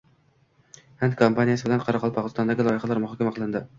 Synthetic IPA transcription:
hænd̪kʰompanijasɪbɪlænqʰɑɾɑqʰɑlˠpʰɑʁɨzt̪ɑnd̪æɡʲilˠɒjɪχælˠæɾmʊɦɑkʲæmæqʰəlˠɨnd̪ɪ

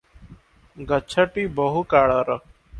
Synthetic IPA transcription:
ɡət͡ʃʰəʈiːbəɦukaːɽaːɾə

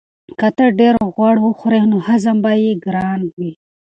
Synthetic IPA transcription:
kat̪əɖeɾɣwaɽwʊxuɾenohazambajeɡɾɑːnwi

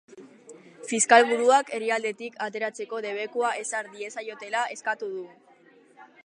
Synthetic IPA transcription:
fiskalβuðuake̞riald̪e̞t̪ikʰat̪e̞ɾat͡se̞ko̞ðe̞β̞e̞kuaʔe̞saɾðie̞sajo̞t̪e̞lae̞skat̪uð̞u

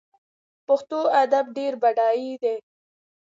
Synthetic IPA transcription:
pʊxt̪oad̪ab̚ɖeɾbaɖɑid̪e

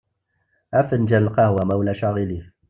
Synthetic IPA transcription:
ʔafənd͡ʒalqɑhwamawlaʃaɣilif

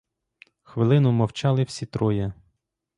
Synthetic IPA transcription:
xʋɪlˠɪnʊmɔwt͡ʃɑlˠɪwsʲit̪ɾɔjɐ

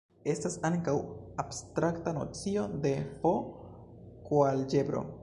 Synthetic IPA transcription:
e̞stasaŋkawabstɾaktano̰t͡sio̞de̞po̞ | kwald͡ʒe̞bɾo̞̰

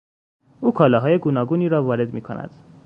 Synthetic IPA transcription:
uːkʰɒːlɒɦɒːjeɡuːnɒːɡuːniːɾɒːvɒːɾe̞d̪miːkʰo̰næ̰d̪̥

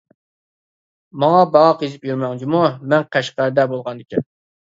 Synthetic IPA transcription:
mɑŋɑbɑʁɑqjezɪpjyɾmɛŋt͡ʃʰimumɛnqʰæʃqæɾd̪ɛbolˠʁɑnd̪ɪkʲʰɛ

